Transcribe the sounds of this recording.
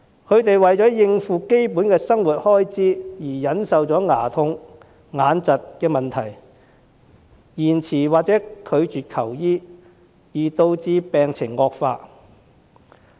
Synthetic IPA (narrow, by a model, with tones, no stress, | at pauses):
kʰɵ˨˧ɥt̪e˨jwɐ˨˩jt͡sɔː˨˥jɪ˧ŋfuː˨ke˥jpuː˨˥nkɛː˧sɐ˥ŋwuː˨˩t̚hɔː˥jt͡siː˥jiː˨˩jɐ˨˥nsɐ˨wt͡sɔː˨˥ŋaː˨˩t̪ʰʊ˧ŋ | ŋaː˨˧nt͡sɐ˨t̚kɛː˧mɐ˨nt̪ʰɐ˨˩j | jiː˨˩nt͡sʰiː˨˩waː˨k̚t͡sɛː˨˥kʰɵ˨˧ɥt͡ʃyː˨t̚kʰɐ˨˩wjiː˥ | jiː˨˩t̪o˧wt͡siː˧pɛː˨ŋt͡sʰɪ˨˩ŋːɔː˧k̚faː˧